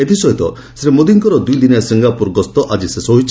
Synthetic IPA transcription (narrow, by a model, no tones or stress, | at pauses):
et̪ʰisɔjt̪ɔ | seɾemod̪iŋkɔɾɔd̪ujd̪inasiŋɡapuɾɡɔst̪ɔʔad͡ʒisesɔɦit͡ʃʰ